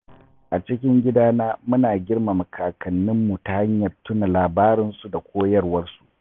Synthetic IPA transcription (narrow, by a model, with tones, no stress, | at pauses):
ʔa˨t͡ʃɪ˦kʲɪ˦ŋɡʲɪ˦daː˦naː˦mʊ˦naː˨ɡʲɪ˦ɽma˨mɐ˨kʰaː˨kɐ˨nːɪ˦mːu˨ta˨ha˦ɲjɐ˨rtʊ˦na˨laː˨baː˦ɾɪ˦nsu˨da˨kʷʰoː˦jɐ˦rwɐ˦rsu̥˨ʔ